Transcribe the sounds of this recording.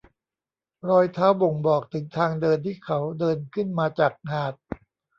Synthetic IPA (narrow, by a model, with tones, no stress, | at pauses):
ɾɔː˧jt̪ʰaː˦˥wbo˨˩ŋbɔː˨˩k̚t̪ʰɯ˩˦ŋt̪ʰaː˧ŋdɤː˧nt̪ʰiː˥˩kʰa˦˥wdɤː˧nkʰɯ˥˩nmaː˧t͡ɕaː˨˩k̚haː˨˩t̪̚